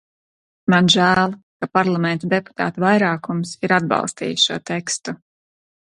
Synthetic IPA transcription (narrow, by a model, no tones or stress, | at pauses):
manʒæːlˠ | kapaɾlˠamɛnt̪ud̪epu̥t̪a̰ːt̪uvajɾaːkumsiɾad̪̚bɑ̰lˠst̪ḭːjʃuɔt̪ɛkst̪u